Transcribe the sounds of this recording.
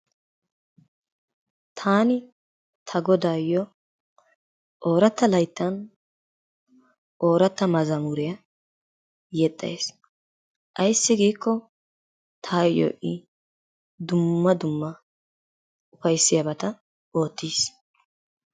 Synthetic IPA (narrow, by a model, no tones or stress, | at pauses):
t̪ʰaːnɪ | t̪ʰɐɡɔd̪aːjːɔ | ʔo̞ːɾɐt̪ːɐlɐjt̪ːɐn | ʔo̞ːɾɐt̪ːɐmɐzɐmuɾɪjɐ | jɛt̪ʼːɐ̰es | ʔɐjsːɪɡiːkːɔ | t̪ʰaːjo̰ːʔɪ | d̪ʊmːɐd̪ʊmːɐ | ʊfɐjsːɪjɐbɐt̪ɐ | o̞ːt̪ːiːs